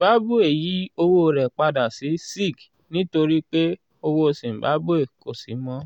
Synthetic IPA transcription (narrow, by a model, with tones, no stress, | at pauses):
ba˦bu˦e˨ji˨˦o˧wo˦o˧ɾɛ˨k͡pa˧da˨si˨˦si˦˨ɡ | nĩ˦to˧ɾi˦k͡pe˦ | o˧wo˦˧sĩ˨ba̰˨˦bu˦e˦˨ko˨si˨˦mɔ̃˦